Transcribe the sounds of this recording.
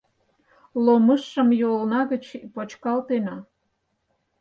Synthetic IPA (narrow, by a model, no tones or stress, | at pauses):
loməʃːəmjolnɑɣət͡ɕpot͡ɕkɑlt̪enɑ